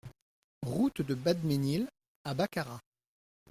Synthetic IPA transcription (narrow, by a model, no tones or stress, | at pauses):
ʁut̪d̪əbad̪menil | abakaʁa